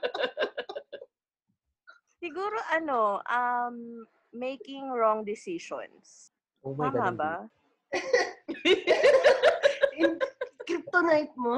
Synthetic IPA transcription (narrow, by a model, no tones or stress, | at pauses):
sɪɡuːɾoʔɐnoʔɐmː | ejkɪŋɹɔŋd̪ɪsiʃɔ̰ns | oaːmaba | ɪkɾip̚t̪onajt̪̚mo